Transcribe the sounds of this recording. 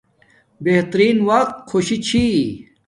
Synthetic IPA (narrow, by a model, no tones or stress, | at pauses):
beht̪ɾiːnwɐq̚t̪̚xʰoɕit͡ɕʰi